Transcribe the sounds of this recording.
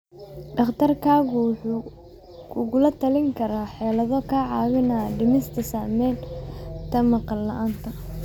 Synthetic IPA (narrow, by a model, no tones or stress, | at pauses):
ɖɐχt̪ʰɐrkʰaːɣʊħu | kʰʊɣʊlɐt̪ʰɐlɪŋkʰɐɾaːħɛːlɐðɔkʰaːʕɑːwɪnaːɖɪmɪst̪ʰɐsaːmɛːnt̪ʰɐmɐqɑlːɐʔaːnt̪ʰɐ